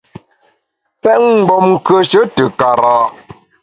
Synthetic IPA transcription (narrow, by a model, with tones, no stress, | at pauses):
pɛ˦ʔŋ˦˨bɔ˨mŋ̩˨kə˨ʃə˦tə˨ka˨ɾaː˨ʔ